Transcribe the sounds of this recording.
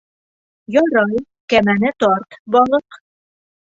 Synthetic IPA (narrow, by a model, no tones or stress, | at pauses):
jɒɾɑj | kæmænɘt̪ɒɾt̪bɒlˠɤq